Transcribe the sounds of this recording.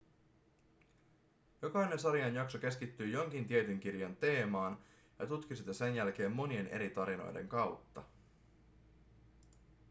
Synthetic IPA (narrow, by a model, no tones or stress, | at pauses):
jo̞kɑjne̞nsɑɾiɑnjɑkso̞k̟e̞skit̪ːyːjo̞ŋk̟int̪iet̪yŋk̟irjɑnt̪e̞ːmɑːn | jɑ̰t̪ut̪kisit̪ːese̞njælk̟e̞ːmːo̞nie̞ne̞̰ɾit̪ɑɾino̞̰jde̞̰ŋkɑwt̪ːɑ̰